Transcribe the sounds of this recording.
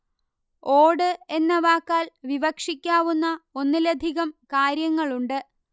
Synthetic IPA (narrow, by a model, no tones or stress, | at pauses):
o̞ːɽɨe̞nːɐʋaːkːaːlʋiʋɐkʂikʲːaːʋunːɐo̞nːilɐd̪ʱiɣɐmkaːɾjɐŋːɐɭuɳɖɨ